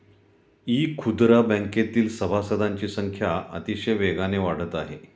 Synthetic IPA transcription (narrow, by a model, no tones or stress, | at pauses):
iːkʰud̪ɾabə̃ŋket̪iːlsəbʱasəd̪ʱaɲt͡ɕiːsəŋkʰjaə̰t̪iɕəjʋeɡaneʋaɽ̤ət̪aɦe